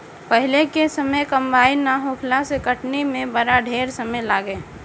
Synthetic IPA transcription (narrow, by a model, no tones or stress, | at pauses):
pəɦɪlekesəməjkə̃mbaːinaɦoːkʰlasekəʈnimẽbəɾaɖʱeːɾsəməjlaːɡeː